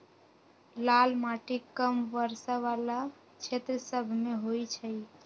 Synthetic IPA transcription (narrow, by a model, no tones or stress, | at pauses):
lalmaʈikːəmʋəɾsəʋala | t͡ʃʰet̪ɾəsəbʱmeɦojt͡ʃʰəj